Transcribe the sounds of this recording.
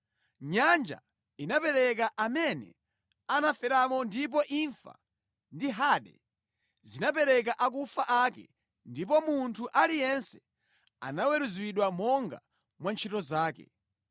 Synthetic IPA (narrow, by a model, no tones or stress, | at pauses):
ɲand͡ʒa̰ | inapɛɾɛkaʔamɛnɛ̰ | anafɛɾamɔndip̬ɔʔiɱfa̰ | ndiɦaɗɛ̰ | zinap̬ɛɾɛk̬aʔak̬ufaʔakɛ̰ | ndip̬ɔmuntʰuʔalijɛnsɛ̥ | a̰nawɛɾuzwiɗwamɔŋɡa̰ | mwant͡ʃʰitɔzaːkɛ̰